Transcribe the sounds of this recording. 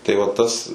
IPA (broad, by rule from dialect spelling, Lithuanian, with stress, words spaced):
tɐɪ ʋɐ ˈtɐs